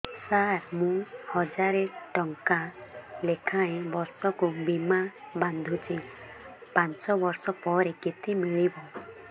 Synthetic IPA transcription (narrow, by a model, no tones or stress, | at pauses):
saɾmũhɔd͡ʒaɾeʈɔŋkalekʰaẽbɔɾsɔkubimaband̪ʱut͡ʃʰi | pant͡ʃɔbɔɾsɔpɔɾeket̪imiɭibɔ